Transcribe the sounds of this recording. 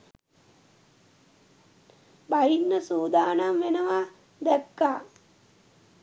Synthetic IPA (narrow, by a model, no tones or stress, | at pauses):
bajinːəsuːd̪aːnamʋenəʋa | d̪ækːaː